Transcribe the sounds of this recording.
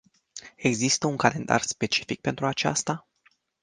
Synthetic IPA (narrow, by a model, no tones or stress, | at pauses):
e̞ɡzist̪əuŋkale̞̰nd̪a̰rspe̞t͡ʃi̥fik̚pe̞nt̪ɾuat͡ʃa̰st̪a